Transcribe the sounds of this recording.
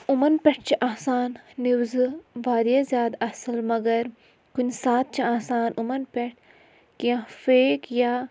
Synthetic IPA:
umɐnpʲeʈʰt͡ʃʰiʔaːsaːnːiwzɨʋaːd̪jazjaːd̪ɐsɐlmɐɡɐɾ | kunsaːt̪̚t͡ʃʰɐaːsaːnʔumɐnpʲeʈ̚ʰ | kiãfeːkjaː

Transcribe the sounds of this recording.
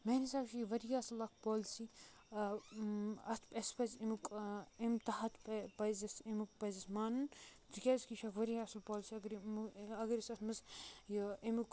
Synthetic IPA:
menisaːbʃijʋɐɾijaːsɨlɐkpoːlsi | ɐt̪ʰpɐspɐzimukimt̪ɐɦɐt̪pɐpɐzɐsimuk̚pɐzɐsmaːnunt̪ikʲaːzʲkiʃɐkʋɐɾijaːsɨlpoːlsiɐɡɾɐɡɐɾisɐt̪mɨsjimuk

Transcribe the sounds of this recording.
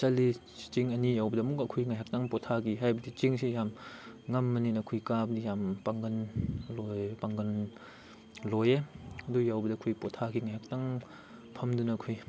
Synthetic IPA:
t͡ʃali | t͡ʃiŋɐnijawbɐdamukakʰujŋajɦak̚taŋpɔtʰaɡiɦajbɐdit͡ʃiŋsejamŋɐmːɐninɐkʰujkabdijampaŋɡɐnlojpaŋɡɐn | lɔjeɐdujawbɐdakʰujpɔtʰaɡiŋajhak̚taŋ | pʰɐmdunakʰuj

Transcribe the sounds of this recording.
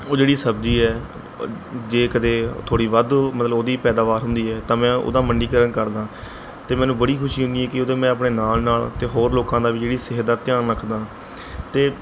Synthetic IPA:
oːd͡ʒeːɽiːsəbd͡ʒiːɛː | d͡ʒeːkəd̪eːt̪ʰoːɽiːʋəd̪mət̪ləoːd̪iːpɛːd̪aːʋaːɾɦʊ̃nd̪iːɛːt̪ãːmɛ̃ːʔo̰ːd̪aːməɳɖiːkəɾənkəɾd̪ãː | t̪eːmɛ̃ːnũːbəɽiːkʰʊʃiːɦʊ̃nd̪iːɦɛːkɪoːd̪ẽːmɛ̃ːəpɳeːnaːlnaːlt̪eːɦoːɾloːkãːd̪aːʋiːd͡ʒeːɽiːsɪɦd̪aːt̪ɪjaːnɾəkʰd̪ãː | t̪eː

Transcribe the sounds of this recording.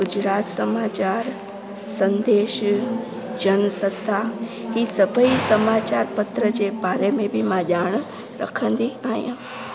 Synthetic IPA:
ɡʊd͡ʒɾaːt̪səmaːt͡ʃaɾ | sə̃nd̪eːʃ | d͡ʒənsət̪ʰːa | ɦisəbʱəisəmat͡ʃaɾpət̪ɾəd͡ʒebaːɾemẽbʱimãʄaːɳ̃ | ɾə̰kʰə̃nd̪iaːjã̰

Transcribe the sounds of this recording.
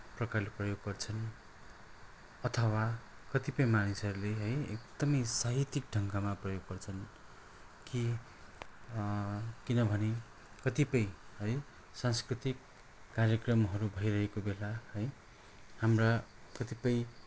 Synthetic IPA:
prʌkarleprʌjoɡːʌrt͡sʰʌn | ʌt̪ʰʌwakʌt̪ipʌjmanisʌɾuleɦʌjek̚d̪ʌmʌjsaɦit̪ik̚ɖʱʌŋɡamaprʌjoɡːʌrt͡sʰʌn | ki | kinʌbʱʌne | kʌt̪ipʌjhʌj | sãnskrit̪ikː | arjʌkrʌmɦʌɾubʱʌjɾʌɦekobelahʌj | hamra | kʌt̪ipʌj

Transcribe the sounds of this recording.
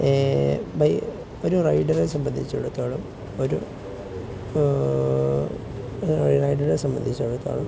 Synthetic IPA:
ebʱɐj | oɾurɐjɖɐresɐmbɐnd̪ʱit͡ɕːuɽut̪ːaːɭum | o̞ɾu | rɐjɖɐresɐmbɐnd̪ʱit͡ɕːuɽut̪ːa̰ːɭum

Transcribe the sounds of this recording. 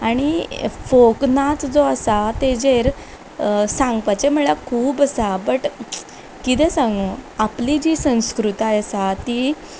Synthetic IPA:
aɽ̃ifoknat͡s̪d͡zoəsat̪ed͡zeɾ | sãŋɡ̚pat͡ɕem̤əɭakʰuːbəsabəʈ | kit̪ɛsãŋɡoaplid͡ʑiːsə̃w̃skɾut̪ajəsat̪iː

